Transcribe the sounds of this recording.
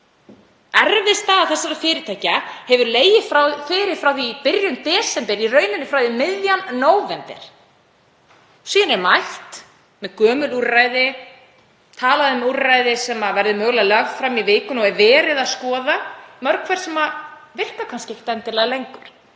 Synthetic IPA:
ɛɾvɪst̪aːaθɛsːaɾafɪːɾɪɾt̪ʰajcahɛvʏɾleːjɪfɾawfɪːɾɪɾ̥fɾawθipɪɾjʏnt̪ɛːsɛmpɛɾirœːɥnʏnːɪfɾawθɪmɪðjanːoːwvɛnt̪ɛ̰ɾ̥ | siːðɪnɛɾmajht̪ | mɛðkœːmʏluraːjðɪ | t̪ʰaːlaðʏmurːajðɪsɛmavɛɾðʏmœːɣlaðlœɣfɾamːivɪːkʏnɔɛɾvɛːɾɪðaskɔːðamœɾkʰvɛɾ̥sɛma | vɪr̥kakʰanskcɪeç̥t̪ɛnt̪ɪɾlɛɣlejŋkʏɾ̥

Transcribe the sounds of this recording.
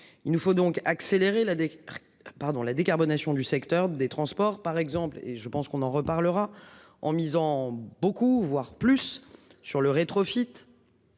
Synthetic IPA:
ilnufod̪ɔ̃kakseleʁelad̪ | paʁd̪ɔ̃lad̪ekaʁbɔnasjɔ̃d̪ysɛkt̪œʁd̪et̪χɑ̃spɔʁpaʁɛɡzɑ̃plḛʒəpɑ̃skɔ̃nɑ̃ʁəpaʁləʁa | ɑ̃mizɑ̃bokuvwaʁplysːyʁləʁet̪χɔfit̪

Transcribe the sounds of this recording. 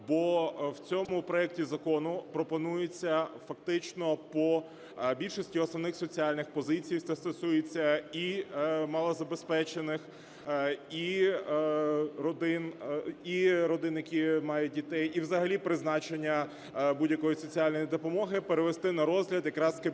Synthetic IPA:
bɔwt͡sʲɔmʊpɾɔjɛk̚tʲizɐkɔnʊpɾɔpɔnujet͡sʲːɐfɐk̚t̪ɪt͡ʃnɔpɔ | bʲilʲʃɔsʲtʲiɔsnɔwnɪxsɔt͡sʲiɑlʲnɪxpɔzɪt͡sʲijst̪ɛst̪ɔsujet͡sʲːɐimɐlˠɔzɐbespɛt͡ʃenɪx | i | ɾɔd̪ɪniɾɔd̪ɪnjɐkʲimɑjʊt̚ʲdʲit̪ɛjiwzɐɦɐlʲipɾɪznɑt͡ʃenʲːɐ | budʲjɐkɔjisɔt͡sʲiɑlʲnɔjid̪ɔpɔmɔɦɪpeɾeʋest̪ɪnɐɾɔzɦlʲɐd̪jɐkɾɑskɪ

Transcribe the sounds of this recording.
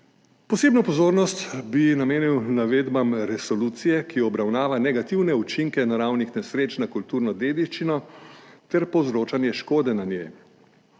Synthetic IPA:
pɔseːbnɔpɔzoːɾnɔst̪binameːniwnaʋeːd̪bamɾɛsɔluːt̪sijɛkijɔɔbɾawnaːʋanɛɡat̪iwnɛut͡ʃiŋkɛnaɾawnixnɛsɾeːt͡ʃnakult̪uːɾnɔd̪eːd̪iʃt͡ʃinɔt̪ɛɾpɔwzɾoːt͡ʃanjɛʃkoːd̪ɛnanje

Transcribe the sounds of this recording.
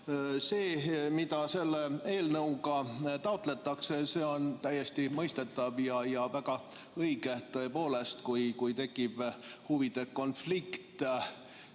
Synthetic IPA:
se̞ːmid̪ɑse̞lːee̞ːlnɤwɡ̥ɑt̪ɑot̪ˑle̞t̪ːˑɑksese̞o̞nt̪æjːe̞st̪imɤjst̪e̞t̪ːˑɑvjɑjɑvæɡ̥ɑ | ɤjɡ̥e̞t̪ɤ̞epo̞ːle̞st̪kujkujt̪e̞kːˑib̥huvid̪̥e̞kːo̞nflikt̪

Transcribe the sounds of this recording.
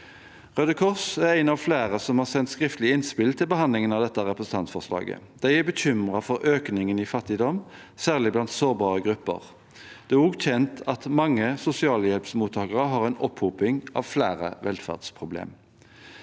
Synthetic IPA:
ʁœd̪əkʰɔʁsæʁæɪnɑʋflæːʁəsɔmhɑːʁsɛnt̪skʁɪft̪lɪɪnspɪlt̪ʰɪlbəhɑnd̪lɪŋənɑʋd̪ɛt̪ːəʁɛpʁəsn̩ɑnt̪fɔʁslɑ̰ːɡə̰d̪̥æɪæbəçʏmʁɑfɔʁʔøːknɪŋənifɑt̪ːɪd̪ɔm | sæːʁlɪblɑnt̪soːʁbɑːʁəɡʁʉpːə̰ʁ | d̪̥ɛæɔɡt̪ʰɛnt̪ʰɑt̪mɑŋːəsʊsɪɑːləjɛlpsmuːt̪ʰːɑːkəʁəɦɑʁɛɪnɔpʰhuːpɪŋʔɑ̰ʋflæːʁə̰ʋɛ̰lfæ̰ʁd̪spʰʁʊblḛːm

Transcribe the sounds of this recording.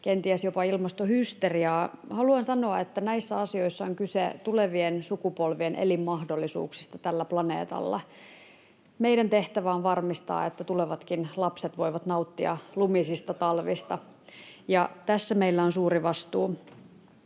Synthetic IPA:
kent̪iæsjopɑilmɑst̪ohyst̪eriɑːhɑluɑnsɑnoɑet̪ːænæisːæɑsioisːɑoŋkysḛt̪uleʋiensukupolʋienʔḛlimːɑhdolːisṵːksi̥st̪ɑt̪ælːæplɑnḛːt̪ɑ̰lːɑ̰ | meiɾænt̪eht̪æʋæonʋɑrmist̪ɑ̰ːet̪ːæt̪uleʋɑt̪kinlɑpset̪ʋo̞iʋɑt̪nɑut̪ːiɑ̰lumisist̪ɑt̪ɑlʋist̪ɑ | jɑt̪æsːæmeilːæonsuːɾiʋɑst̪uː

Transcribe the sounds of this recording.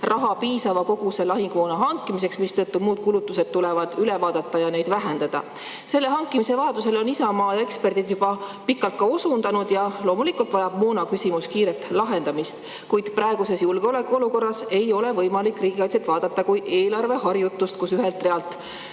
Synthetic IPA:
rɑɦɑpiːsɑvɑko̞ɡ̥use̞lɑɦiŋɡ̥moːnɑɦɑŋkːˑimis̬e̞ksmist̪ɤt̪ːumuːd̪̥̚kulut̪ːuse̞d̪̥̚t̪ulevɑd̪̥ylevɑːd̪̥ɑt̪ˑːɑjɑne̞jd̪væɦend̪ɑd̪̥ɑ̰ | se̞lːe̞ɦɑŋkːˑimise̞vɑjɑt̪use̞lo̞nisɑmɑːe̞kspe̞rd̪̥id̪jub̥ɑpikːɑlt̪̚kɑosund̪̥ɑnud̪̥jɑlo̞ːmulikːult̪vɑjɑb̥muːnɑkysʲimuskiːɾet̪ːˑlɑɦe̞nd̪̥ɑmist̪ | kujd̪̥prɑeɡ̥use̞sjulɡ̥eo̞le̞kːuo̞luko̞rːɑse̞jo̞le̞vɤjmɑlikriːɡ̥iɑj̪set̪vɑːd̪̥ɑt̪ːɑkuje̞ːlɑrve̞hɑrjut̪ːˑust̪kusyɦe̞lt̪re̞ɑlt̪ˑ

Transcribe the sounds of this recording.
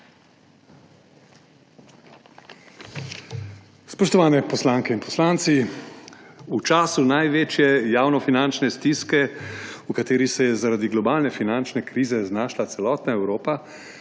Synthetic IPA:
spɔʃt̪ɔʋaːnɛpɔslaːŋkɛinpɔslant̪si | ut͡ʃaːsunajʋeːt͡ʃjɛjaːwnɔfinant͡ʃnɛst̪iskɛukat̪eːɾisɛjɛzaɾad̪iɡlɔbaːlnɛfinant͡ʃnɛkɾiːzɛznaːʃlat̪sɛlɔːt̪naɛwɾoːpa

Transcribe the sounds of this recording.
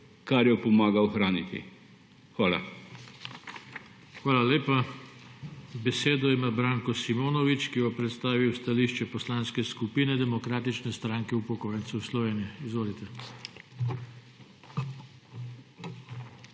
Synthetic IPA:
kaɾjɔpɔmaːɡaɔxɾaːnḭt̪ḭ | xʋaːla̰ | xʋaːlaleːpa | bɛseːd̪ɔimaːbɾaŋkɔsimoːnɔʋit͡ʃkiʋɔpɾɛt̪st̪aːʋiwst̪aliʃt͡ʃɛpɔslanskɛskupiːnɛd̪ɛmɔkɾaːt̪it͡ʃnɛst̪ɾaːŋkɛupɔkoːjɛnt̪sɛwslɔʋeːnijɛizʋoːlit̪ɛ

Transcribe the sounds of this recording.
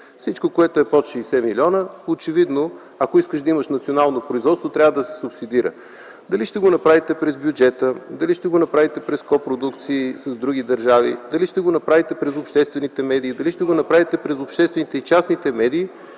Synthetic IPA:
fsit͡ʃkokoɛt̪oɛpɔt͡ʃisɛmilʲiɔnəot͡ʃɛvid̪no | ɐkoiskəʃd̪ɐiməʃnɐt̪sionalˠnopɾoizvɔt̪st̪vot̪ɾʲavəd̪ɐsɛ̥sʊpsid̪iɾə̰ | d̪ɐliʃt̪ɛɡonɐpɾavit̪ɛpɾɛzbjud͡ʒɛt̪əd̪ɐliʃt̪ɛɡonɐpɾavit̪ɛpɾɛskɔpɾod̪ukt̪siːsəzd̪ɾuɡ̟id̪ɐɾʒavḭd̪ɐliʃt̪ɛɡonɐpɾavit̪ɛpɾɛzopʃt̪ɛst̪vɛnit̪ɛmɛd̪iːd̪ɐliʃt̪ɛɡonɐpɾavit̪ɛpɾɛzopʃt̪ɛst̪vɛnit̪ɛit͡ʃasnit̪ɛmɛd̪iː

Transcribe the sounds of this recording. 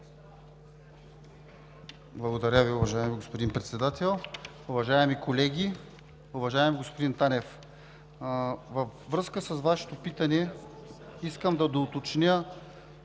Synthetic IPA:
blˠɐɡod̪ɐɾʲəviʊvɐʒaɛmiɡospod̪inpɾɛt̪sɛd̪at̪ɛlˠ | ʊvɐʒaɛmikolɛɡʲi | ʊvɐʒaɛmiɡospod̪int̪anɛf | vɐfːɾɤskəsɐsvaʃɛ̥t̪opit̪ɐnɛ | iskəmd̪ɐd̪oːt̪ot͡ʃnʲə

